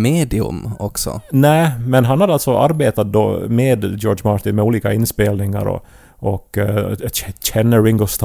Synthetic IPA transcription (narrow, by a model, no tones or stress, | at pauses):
meːd̪ɪɵ̰mɔksɔ̰næːmɛnɦanhad̪əalt̪sɔʔa̰ɾbeːt̪at̪̚d̪o̰ːmeːd̪d͡ʒoːɖʂmɑːɾt̪ɪnmɛuːliːkaɪnːspeːlnɪŋa̰ɾɔ̰ | ɔkː | t͡ɕɛnːəɾɪŋɡɔst̪